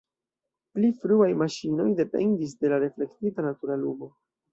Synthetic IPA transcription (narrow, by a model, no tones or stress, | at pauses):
plifɾuajmaʃino̞jde̞pe̞̰ndis̬de̞laɾe̞fle̞ktitanatuɾalumo̞